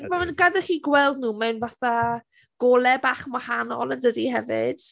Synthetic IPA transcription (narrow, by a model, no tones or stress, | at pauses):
vamanɡadɛχiːɡwɛlˠdnuːmawnvaθa | ɡ̥ɔlˠɛbaːχmahanɔ̰lˠəndədihɛvɪ̰d̥